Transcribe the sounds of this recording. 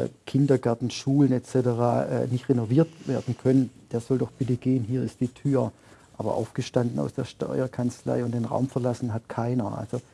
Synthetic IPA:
kʰɪndɐɡɛɐtn̩ʃuːlənɛt͡sɛtəʁaːʔɛ̰nɪçtʁenoviːɐtveːɐdn̩kʰœnənd̥eːɐz̥ɔldɔxb̥ɪtəɡ̥eːənɦiːɐɪst̚d̥iːtʰyːɐ | ʔaːbɐ̰ʔa̰ʊfɡ̥əʃtandn̩a̰ʊsd̥eːɐʃtɔ̰ʏɐkʰant͡sla̰ɪʊntd̥eːnʁa̰ʊmfɛɐlasn̩ɦatkʰaɪnɐʔa̰lz̥o

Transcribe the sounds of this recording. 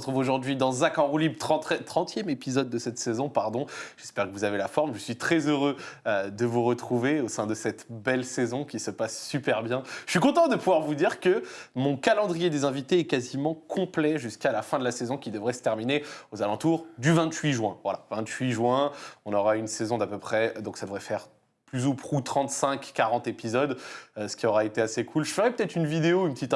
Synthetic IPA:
ʁət̪χuvoʒuʁd̪ɥid̪ɑ̃zakɑ̃ʁulibt̪ɛt̪χɑ̃t̪jɛmepizɔd̪ːəsɛt̪sezɔ̃paʁd̪ɔ̃ʒ̥ɛspɛʁkəvuzavelafɔʁmʒəsɥit̪χɛzøʁøød̪əvuʁət̪χuveosɛ̃d̪əsɛt̪bɛlsezɔ̃kʲisəpasːypɛʁbjɛ̃əɥikɔ̃t̪ɑ̃d̪əpuvwaʁvud̪iʁkəmɔ̃kalɑ̃d̪ʁijed̪ezɛ̃vit̪eɛkazimɑ̃kʰɔ̃plɛʒyskalafɛ̃d̪əlasezɔ̃kʲid̪əvʁɛsə̥t̪ɛʁmineozalɑ̃t̪uʁd̪yvɛ̃t̪ɥiʒɥwɛ̃vwala̰vɛ̃t̪ɥiʒwɛ̃ɔ̃nɔʁaynsezɔ̃d̪apøpχɛd̪ɔ̃ksad̪əvʁɛfɛʁ | plyzupχut̪χɑ̃t̪sɛ̃kːaʁɑ̃t̪epizɔd̪øsə̥kʲiɔʁaet̪easekʰulʒəfəʁɛpə̥t̪ɛt̪χynvid̪eoynpət̪it̪

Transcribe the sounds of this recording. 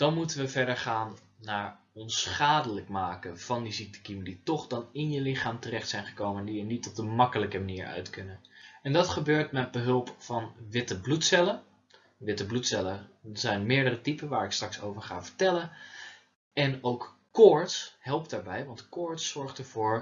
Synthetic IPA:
d̥ɑnmutənʋəvɛɹdəɹχaːnː | aːɹ | ɔnsχaːdələkmaːkənv̥ɑndizik̚tə̥kimənditɔχdɑnɪnjəlɪχaːmtərɛχtsɛjnχə̥kowməndiənitɔb̚dəmɑkələkəmaniːɹœ̰ɥtkɵnənɛndɑtχəbøːɹtmɛd̚bəɦɵlˠpfɑnʋɪtəblutsɛlə | ʋɪtəblutsɛləəzɛjnmɪːɹdərətipənʋaːɹɪkstrɑkso̰wvəɹχa̰ːvəɹtɛlən | ɛnowk | kɔɹtshɛlˠp̚daːɹbɛjʋɑntkɔɹtsɔɹχtəɹv̥ʊːɹ

